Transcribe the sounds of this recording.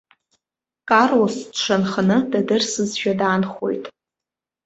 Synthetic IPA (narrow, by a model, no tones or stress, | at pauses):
kʼarwosdʂʰanχanɨdadɨrsɨzʃᶣadaːnχo̞̰jtʼ